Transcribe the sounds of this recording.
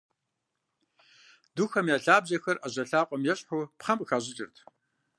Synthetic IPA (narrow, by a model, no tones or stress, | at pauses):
d̥uxɐmjaːɬaːbʑɐxɐrʔɐʑɐɬaːqʷʼɔmjɛɕʼħʊpχɐmɨxaːʑɪt͡ʃʼɪ̰rtʰ